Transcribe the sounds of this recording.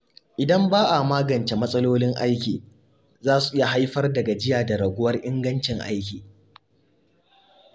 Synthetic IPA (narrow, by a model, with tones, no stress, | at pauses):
ʔɪ˨dɐ˦mbaː˦ʔa˨maː˦ɡɐ˨nt͡ʃe˨mɐ˦sʼɐ˦loː˦lɪ˦ŋʔa˦jkʲiː˨ | zaː˦su˨ʔɪ˦ja˨ɦa˦jɸɐ˦rdɐ˨ɡa˨d͡ʒɪ˦jaː˨da˨ɾɐ˨ɡʷʊ˦wɐ˦rʔɪ˦ŋɡɐ˦nt͡ʃɪ˨ŋʔa̰˦jkʲiː˨